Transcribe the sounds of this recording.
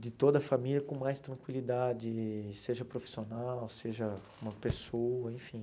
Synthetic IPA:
d̪ɪt̪od̪ɐfamiljɐkõmajst̪ɾɐ̃ŋkwilid̪ad͡ʒɪseʒɐpɾofi̥sionawseʒɐ | ũmɐpesoɐẽfĩ

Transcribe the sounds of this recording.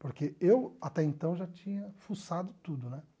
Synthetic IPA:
poɾkeewat̪ɛẽnt̪ɐ̃w̃ʒat͡ʃĩɲɐfusad̪ʊt̪ud̪ʊnɛ

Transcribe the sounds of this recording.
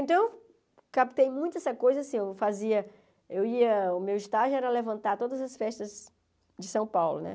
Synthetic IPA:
ẽt̪ɐ̃w | kapt̪ejmũj̃t̪ʊɛsɐkojzɐasĩewfaziɐ | ewiɐʊmewɪst̪aʒʊɛɾɐlevɐ̃nt̪aɾt̪od̪ɐzɐsfɛʃt̪ɐz | d͡ʒɪsɐ̃w̃pawlʊ̰nɛ̰

